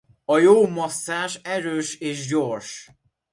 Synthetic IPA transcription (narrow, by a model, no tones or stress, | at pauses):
ɒjoːmɒsːaːʃɛɾøːʃeːʒɟorʃ